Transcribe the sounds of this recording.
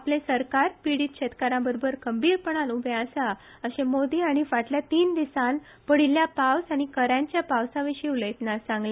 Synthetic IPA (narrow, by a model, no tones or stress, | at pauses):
aplẽsəɾkaɾpiɽiːt̪̚ɕet̪kaɾãbəɾobʱəɾkəmbiːɾpəɽ̃anubʱeasa | əɕẽmod̪iːaɽ̃ifaʈljat̪iːnd̪isan | pəɽ̤iljapawsaɽ̃ikəɾjãɲt͡ɕjapawsaʋiɕiuləjt̪nasãŋɡle